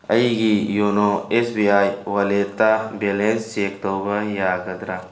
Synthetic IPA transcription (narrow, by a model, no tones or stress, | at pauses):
ɐiɡijonoesbiaːjwɐlet̪abelenseːkt̪oːbɐjaːɡɐd̪ɾa